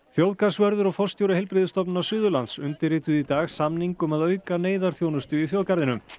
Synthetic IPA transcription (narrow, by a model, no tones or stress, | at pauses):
θjowðkḁsvœɾðʏɾɔɣfɔst̪jowɾɪhɛjlpɾɪðɪst̪ɔpnʏnawsʏːðʏlansʏnt̪ɪɾrɪt̪ʏðit̪aːɣsamniŋkʏmaðœːɥkaneːjðaɾ̥θjoːwnʏst̪ʏiθjowðkaɾðɪnʏm